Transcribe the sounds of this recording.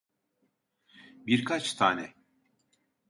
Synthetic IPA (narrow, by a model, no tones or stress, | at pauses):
biɾkʰat͡ʃt̪ʰaːnɛ